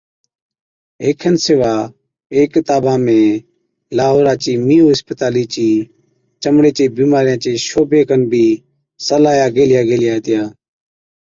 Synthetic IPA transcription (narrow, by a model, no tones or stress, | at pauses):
eːkʰənseːʋaː | eːkːɪt̪aːbãːmẽː | laːɦoːɾaːt͡ʃiːmiːoːɦəspət̪aːliːt͡ʃiː | t͡ʃəmɽeːt͡ʃeːbiːmaːɾɪjãːt͡ʃeːʃoːbeːkənbʱiː | səlaːjaːɡeːlɪjaːɡeːlɪjaːɦet̪ɪjaː